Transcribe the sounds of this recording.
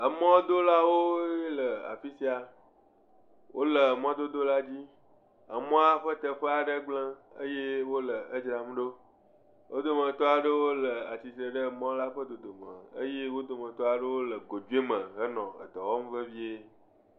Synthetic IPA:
ə˨mɔ̃˦d̪o˦la˦wo˦je˦lə˨a̰˨fi˦si˦a˨ | wʔo˦lə˨m˦ɔ̃˦d̪o˦d̪o˦la˦d͡ʑi˦ | ə̰˨mɔ̃˦a˦ɸə˦t̪ə˨ɸə˦a˨ɖə˦ɡ͡blə̃˦ə˦je˦wo˦lə˨ə˦d͡ʒɾa˨m˦ɖo˦ | wʔo̰˦d̪o˦mə̃˨t̪ɔ˦a˨ɖə˦wo˦lə˨a˨t͡ɕi˨t̪ɾə˨ɖə˦˨mɔ̃˦la˦ɸə˦d̪o˨d̪o˨mə̰̃˨ə̰˦je˦wo˦d̪o˨mə̃˨t̪ɔ˦a˨ɖə˦wo˦lə˨ɡo˨d͡ʒu˦e˦mə̃˨ɦə˦nɔ̃˨ə̰˨d̪ɔ˨wɔ˦m˦və˦vi˦e˦

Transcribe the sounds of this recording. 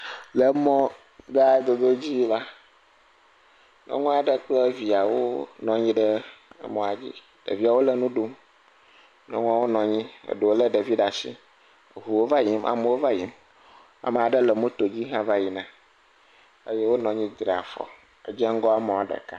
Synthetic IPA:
lə˨mɔ̃˦ | ɡa˦˨d̪o˨d̪o˦d͡ʑi˦la˦ | nɔ̰̃˦ŋũ˦a˨ɖə˦k͡plə˦vi˨a˨wo̰˦nɔ̃˨ɲĩ˦ɖə̰˦mɔ̃˨˦a˨d͡ʑḭ˦ | ɖ̥ə̰˨vi˦a˨wo˦lə˨nũ˦ɖo˦m | nɔ̰̃˦ŋũ˦a˨wo˦nɔ̃˨ɲĩ˦ə̰˨ɖo˨wo˦lə˦ɖa˨vi˦ɖa˨sḭ˦˨ | ɦu˨wo˦va˦ji˦mʔa̰˨me˦wo˦va˦ji˨m | a̰˨mə˨a˨ɖə˦lə˨mũ˦t̪o˨d͡ʑi˦ɦã˦va˦ji˨nã˦ | ə˦je˦wo˦nɔ̃˨ɲĩ˦d̪ɾa̰˨fɔ̰˨ | ə̰˨d͡ʒɛ˦ŋ̩˦ɡɔ˦a˦mɔ̃˨a˨ɖə̰˨ka˦

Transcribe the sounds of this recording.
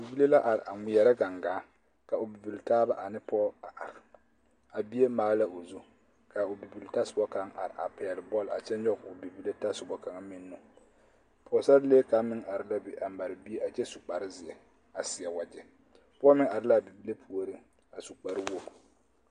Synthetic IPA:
bi˨bi˦le˦la˦ʔa˨ɾɪ̰˨ʔa˨ŋɪ˨jɛ˨ɾa˦ɡa˨ŋɡaː˨˦ | ka˨ʊ˨bi˨bi˨ltaː˦ba˦ʔa˨nɪ˦pɔː˦a˨ʔa˨ɾɪ˨ | a˨bi˦e˦maː˨˦la˦ʔo˨zu˦ | ka˨ʊ˨bi˨bi˨lta˦sʊ˨bɔ˦ka˨˦ŋʔa̰˨ɾɪ˨ʔa̰˨pɛ˨lɪ˨bɔ˦la̰˨t͡ʃɛ˦nɲɔ˦ɣʊ˨bi˨bi˦le˦ta˦sʊ˨bɔ˨ka˨ŋa˦mɪ˦nːʊ˦ | pʰɔː˨˦sa˦ɾle˦ka˨mɪ˦ŋʔa˨ɾɪ˦la˦bi˨ʔa˨m˦ba˨ɾɪ˨bi˦e˦a˨t͡ʃɛ˦su˨k͡pa˨ɾɪ˦zɪ˨ɛ˨ | a˨sɪ˨ɛ˨wa˨d͡ʒɛ˦ | pːmɪ˦ŋa˨ɾɪ˦la˦˨bi˨bi˦le˦pʰu˦o˨ɾi˦ | a˨su˨k͡pa˨ɾɪ˦wo˦

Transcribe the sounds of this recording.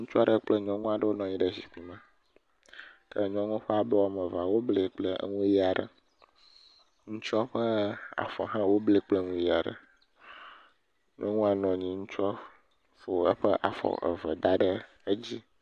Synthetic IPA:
ŋũ˦t͡ʃu˦a˦ɖə˦k͡plɛ˦ɲɔ̃˦ŋũ˦a˨ɖə˦wo˦nɔ̃˨ɲĩ˦ɖɛ˨si˨k͡pi˨mã˦˨ | t̪ə˦˨ɲɔ̃˦ŋũ˦ɸɛ˦a˨bɛ˦wa˨mɛ̃˨va˨wo˦ble˨˦k͡plə˦ŋũ˦ji˦a˨ɖə̰˨ | ŋũ˦t͡ʃɔ˦ɸə˦a̰˨fɔ̰˨ɦã˦wo˦ble˦˨k͡ple˦ŋũ˦ji˦a˨ɖə̰˨ | ɲɔ̃˦ŋũ˦a˨nɔ̃˨ɲĩ˨ŋũ˦t͡ʃu˦ɔ˦ | fo˨ə˦ɸə˦ʔa̰˨fɔ̰˨ʔə̰˨və˨d̪a˦ɖə˦ | e˦d͡ʑi˦

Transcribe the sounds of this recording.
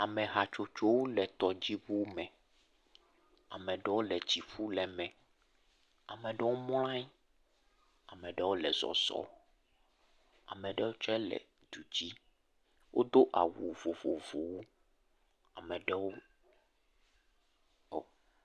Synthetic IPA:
a˨mɛ̃˨ɦa˨t͡ʃo˨t͡ʃo˦wo˦lɛ˨t̪ɔ˨d͡ʑi˦βu˦mɛ̃˨ | a˨mɛ̃˨ɖɛ˦wo˦lɛ˨d͡ʑi˨ɸu˦lɛ˨mɛ̃˨ | a̰˨mɛ˨ɖɛ˦wo˦m˦lã˦i˦ | a˨mɛ̃˨ɖɛ˦wo˦lɛ˨zɔ̰˨z̥ɔ̰˦ | a̰˨mɛ̃˨ɖɛ˦wo˦t͡ʃɔ˦ɛ˦lɛ̰˨ | d̪̥u˨d͡ʑi˦ | wʔo˦d̪o˦ʔa̰˨wu˨vo˨vo˨vo˨wo˦ | a˨mɛ̃˨ɖɛ˦wo˦˨

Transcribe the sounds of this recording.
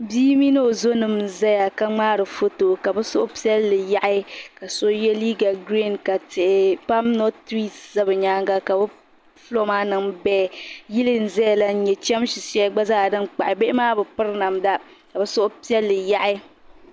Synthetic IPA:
biː˦mi˦no˦o˨zo˦nɨ˨mza˦ja˨ka˦ŋ͡maː˦ɾɨ˨fo˦to˨ka˨bɛ˦sʊ̰˦ʔʊ˦pi˦ɛ˦lːɨ˨ja˦ʔɪ˦ka˨so˦jɛ˦liː˦ɡa˨ɡɾi˦˨nka˨tɪ˨ʔɪ˨pa˦mno˦tɾi˦sza˦bɨ˨ɲaː˦ŋɡa˦ka˨bɛ˦ | flo˦maː˦nɨ˨ŋbɛː˦˨ji˦lɨ˦n̩˨zɛ˦ja˨la˦n̩˦ɲɛ˨t͡ʃɛ˦m˦ʃi˨si˦a˦ɡ͡ba˦zaː˦˨dɨ˦nk͡pa˨ʔɪ˨be˦ʔɪ˦maː˦bɛ˨pɨ˦ɾna˨mda˦ | ka˨bɛ˦sʊ˦ʔʊ˦pi˦ɛ˦lːɨ˨ja˦ʔɪ˦

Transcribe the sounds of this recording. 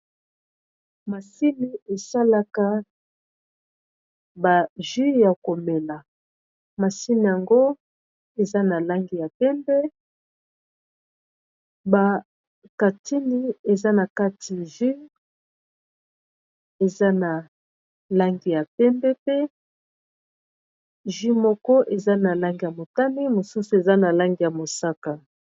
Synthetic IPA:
ma˨si˦ni˨e˨sa˦la˦ka˦ | ba˨ʒi˦ja˨ko˨me˨la˨ | ma˨si˦ni˨ja˨ŋɡo˦ | e˨za˦na˨la˦ŋɡi˨ja˨pɛ˦mbɛ˦ | ba˨ | ka˨ti˦ni˦e˨za˦na˨ka˦tʰi˨ʒi˦ | e˨za˦na˨ | la˦ŋɡi˨ja˨pɛ˦mbɛ˦pe˦ | ʒi˦mɔ˦kɔ˦ʔe˨za˦na˨la˦ŋɡi˨ja˨mo˨ta˦ne˦mo˨su˦su˨e˨za˦na˨la˦ŋɡi˨ja˨mo˨sa˦ka˨

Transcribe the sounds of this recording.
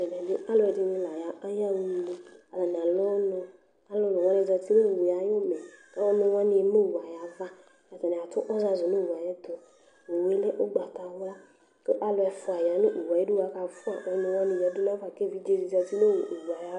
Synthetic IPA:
ɛ˨n˨ɛ˨dɪ˦a˦lʊ˦ɛ˨dɪ˧nĩ˧la˨ja˨˦ʔa˦ja˦wu˦lu˦a˨la˨n˨a˨lɔ˦nʊ˧ | a˨lo˦nʊ˨wã˦ne˧˨d͡ʒa˧ti˦no˦˨wu˨ja˨jo˦mɛ˨ka˦ɔ˦nʊ̃˧˦wa˦n˨me˦˨wu˨a˨ja˨va˦ | a˨ta˨nɛ˨a˨tʊ˦ʔɔ˦za˧zʊ˨no˦˨wu˨a˨jɛ˦d̪o˨ | o˨we˦lɛ˦ʔo˦ɡ͡ba˨ta˨wɔ˦ | ke˦ʔa˦lʊ˧˦ɛ˧fʊ˨˦a˨ja˨˦nɪ̃˦ʔu˨wa˨˦i˦dʊ˦wa˨˦ka˧fʊ˦a̰˨ʔɔ˨˦nʊ̃˧˦wa˦nĩ˧˨a˨˦dʊ˦la˦a˨ke˦˨vi˦d͡ʒe˦zi˧˨za˧ti˦no˦wu˨ʔwu˨a˨ja˨˦

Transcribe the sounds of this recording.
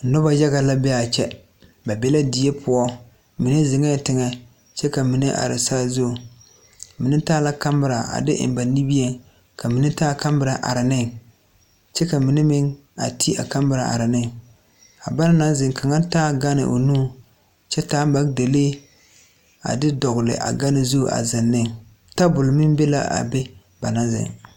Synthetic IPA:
nɔ˦ba˨ja˦ɡa˨la˦bɛ˦a˨t͡ʃɛ̰˦ | ba˨bɛ˦la˦di˨je˦pʰʊ˨ɔ˦ | mi˨ne˦zɪ˨ŋɛ˦tɪ˨ŋɛ˨ | t͡ʃɛ˦ka˨mi˨ne˦ʔa̰˨ɾɪ̰˨sa˦zo˦˨ | mi˨nɪ˦taː˦la˦ka˦mbɪ˨ɾa˨ʔa̰˨dɪ̰˦ʔɪ̰˨m˨ba˨ni˦bi˦e˦ | kʰa˨mi˨nɪ˦taː˦ka˦mbɨ˨ɾa˨ʔa̰˨ɾɪ˨nɪ˦ŋ | t͡ʃɛ˦ka˨mi˨nɪ˦mɪ˦ŋ | a̰˨tʰi˦a̰˨ka˦mbɪ˨ɾa̰˨ʔa̰˨ɾɪ˨nɪ˦ŋ | a˨ba˦n˦na˦zɪ˨ŋka˨ŋa˦taː˦ɡa˦nɪ̰˨ʔo̰˨nuː˦ | t͡ʃɛ˦taː˨˦ba˨˦kde˨le˦ | a̰˨dɪ˦dɔ˨ɣʊ˨lɪ̰˨ʔa̰˨ɡa˦nɪ˦zo˦˨ʔa̰˨zɪ˨nːɪ˦ŋ | ta˦bʊ˨lmɪ˦m˦be˦la̰˦a̰˨be˦ | ba˨na˦zɪ̰˨ŋ

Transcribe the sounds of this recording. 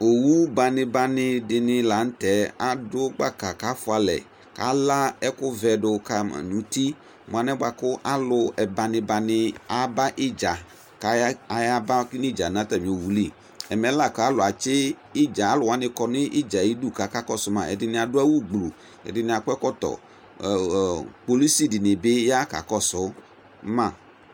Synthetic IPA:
o˨wu˦ba˨nɪ̃˨ba˨nɪ˦dɪ˨nɪ˦la˨n̩˦tɛ˨˦a˨dʊ˦ɡ͡ba˦˨ka˨ka˦fʊ˦a˨lɛ̰˨ | ka̰˦la˦ɛ˦kʊ˦vɛ˨dʊ˨ka˦ma̰˨nũ˨˦ti˦ | mʊ˨a˨nɛ˦ɡ͡ba˨kʊ˦ʔa˦lʊ˨ɛ˨ba˨nɪ˨ba˨nɪ˦a˨ba˦ʔɪ˦d͡ʒa˨ | ka˨˦a˨ja˦ba˦knɪ˦˨d͡ʒa˨nã˦t̪a˨mĩ˨o˨wu˨˦li˦˨ | ɛ˨mɛ̃˨˦la˦˨ka˦a˦lʊ˨a˨t͡ʃɪ˦ | ɪ˦d͡ʒa˨a˦lʊ˨wa˨˦nɪ̃˨kɔ˨nɪ˦ʔɪ˦d͡ʒa˨i˦du˦˨ka˨˦ka˦kɔ˦sʊ˦mã˨ɛ̰˨dɪ˨nɪ̃˨a˨dʊ˦a˦wu˦ɡ͡blṵ˨ | ɛ̰˨dɪ˨nɪ̃˨a˨kɛ˦kɔ˦t̪ɔ̰˨ | k͡po˨li˦si˦dɪ˨nɪ˨be˦ja˦ka̰˨kɔ˦sʊ˦ | mã˦˨

